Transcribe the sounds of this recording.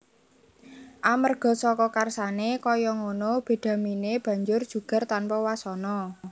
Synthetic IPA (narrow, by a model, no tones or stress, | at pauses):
ʔamərɡ̥ɔ̤sɔkɔkarsanekɔjɔŋonob̥e̤d̪̥ä̤mineb̥ä̤ɲd͡ʒʊrd̥ʒ̥ṳɡ̥a̤rt̪anpɔwasɔnɔ